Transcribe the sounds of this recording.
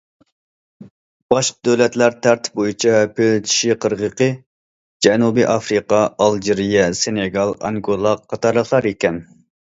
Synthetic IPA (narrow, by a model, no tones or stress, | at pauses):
b̥ɑʃqəd̪øwlɛt̪læɾt̪ʰæɾt̪bojit͡ʃʰɛpʰølt͡ʃ̪ʰi̥ʃiqʰəɾʁəqə | d͡ʒɛnubiʔɑfɾiqɑɑlˠd͡ʒiɾijɛseneɡɑlˠɑ̰ŋɡolˠɑqʰːɑt̪ʰɑɾlˠəχlˠɑɾekʲɛn